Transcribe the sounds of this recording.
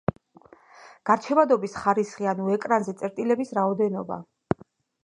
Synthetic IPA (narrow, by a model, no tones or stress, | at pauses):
ɡ̥aɾt͡ʃʰɛvad̪ɔbisχaɾisχianuɛkʼɾanzɛt̪sʼɛɾt̪ʼilɛbisɾaɔd̪ɛnɔba̰